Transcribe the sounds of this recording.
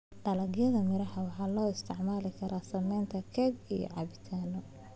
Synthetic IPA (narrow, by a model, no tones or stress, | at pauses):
ɖɐlɐɡjɐðɐmɪɾɐhɐwɑħɑːlɔːɪst̪ʰɪʕmaːlɪkʰɐɾʔaːsɐmɛjnt̪ʰɐkʰɛːɡijɔ̰ʕɑ̰βɪt̪ʰaːnɔ